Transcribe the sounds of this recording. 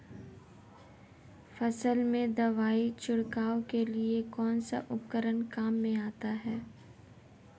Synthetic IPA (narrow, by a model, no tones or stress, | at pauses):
fɐsəlmẽd̪ɐʋaːit͡ʃʊɽkaːokeliekɔːnsa̰ʔʊpkəɾənkaːmːẽaːt̪aɦɛː